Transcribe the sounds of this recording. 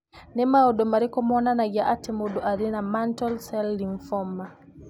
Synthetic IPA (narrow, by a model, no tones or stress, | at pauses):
nɛmaɔdɔmaɾikɔmɔnanajaʔatɛmɔdɔʔaɾinamantɔlsɛlːinfɔmːa